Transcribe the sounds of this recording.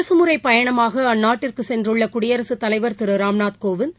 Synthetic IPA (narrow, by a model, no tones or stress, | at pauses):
ɐsɯmɯɾɐɪpːɐjɐɳɐmaːɣɐɐnːaːʈːɪrkɯsɛndrɯɭːɐkʊɽɪjɐɾɐsɯt̪ːɐlɐɪʋɐɾt̪ɪɾɯɾaːmnaːt̪koːʋɯn